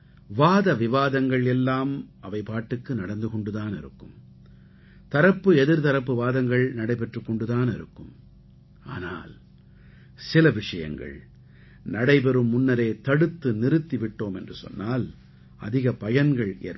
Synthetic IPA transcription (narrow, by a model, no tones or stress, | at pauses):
ʋaːðɐʋɪʋaːðɐŋɡɐɭɛlːaːmɐʋɐɪpaːʈːɯkːɯnɐɽɐnd̪ɯkɔɳɖɯðaːnɪ̰ɾɯkːɯm | t̪ɐɾɐpːɯɛðɪɾt̪ɐɾɐpːɯʋaːðɐŋɡɐɭnɐɽɐɪpɛʈrɯkːɔɳɖɯðaːnɪɾɯ̰kːɯm | a̰ːna̰ːl | sɪlɐʋɪʂɐjɐ̰ŋɡɐ̰ɭ | nɐɽɐɪp̬ɛɾɯmːʊnːɐɾeːt̪ɐɽɯt̪ːɯnɪɾɯt̪ːɪʋɪʈːoːmɛndrɯsɔ̰nːaːl | ɐ̰ðɪɣɐpɐjɐnɡɐɭʔḛːɾ